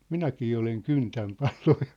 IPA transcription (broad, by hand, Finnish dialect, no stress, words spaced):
minækiː oleŋ kyntæm pɑlo̥ː